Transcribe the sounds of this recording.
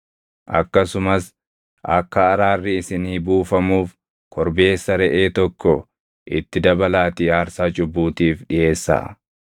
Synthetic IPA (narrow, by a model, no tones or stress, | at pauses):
ʔɐ̰kːɐsʊmɐs | ʔɐ̰kːɐːɾaːrːɪɪsɪniːbuːfɐmuːf | kʰɔɾbe̞ːsːɐɾɛʔeːt̪ɔkːɔ | ʔɪt̪ːɪd̪ɐbɐlaːt̪ɪaːɾsaːt͡ʃʼʊbːuːt̪iːfᶑɪe̞ːsːa̰ː